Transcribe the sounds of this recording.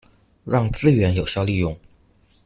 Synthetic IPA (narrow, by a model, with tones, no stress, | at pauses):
ɻɑ˥˩˧ŋt͡sɹ̩˥˧ɥɛ˧˥njo˨˩ʊɕjɑ˥˧ʊli˥˧jʊ˥˩ŋ